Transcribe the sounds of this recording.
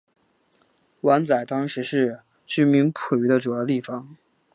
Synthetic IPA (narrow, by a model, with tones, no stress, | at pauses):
wa˧˥nt͡sa˨˩ɪt̪ɑ˥ŋʂɻ̩˧˥ʂɻ̩˥˩ | t͡ɕy˥mi˧˥npʰu˨˩y˧˥d̪ə˧ʈ͡ʂu˨˩jɑ˥ʊt̪i˥˩fɑ˨˩ŋ